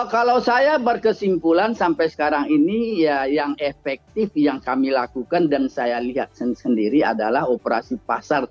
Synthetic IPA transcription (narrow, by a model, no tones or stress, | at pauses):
kalawsajabərkəsimpulansampajsə̥kaɾaŋinijajaŋefɛk̚t̪ɪfjaŋkamilakukandansajaliɦat̪̚sənsəndiɾia̰dalahopəɾa̰sipasar